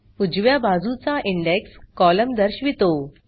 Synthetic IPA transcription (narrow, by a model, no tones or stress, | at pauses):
ud͡ʑʋjabad͡zut͡saʔiɳɖekskɔləmd̪əɾɕʋit̪o